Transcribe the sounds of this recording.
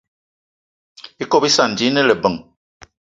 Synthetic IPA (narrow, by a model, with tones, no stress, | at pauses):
i˦ko˦pi˦sa˨n˨d͡ʒi˨˦nə˦lə˨bə˨ŋ